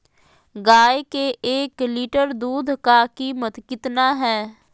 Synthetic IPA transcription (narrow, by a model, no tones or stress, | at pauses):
ɡaːekeʔeːkliːʈəɾd̪uːd̪ʱkaːkiːmət̪kɪt̪naːɦɛː